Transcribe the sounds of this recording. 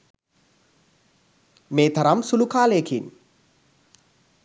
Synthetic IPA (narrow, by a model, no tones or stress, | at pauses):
meːt̪ʰɐɾɐmsulukaːləjəkin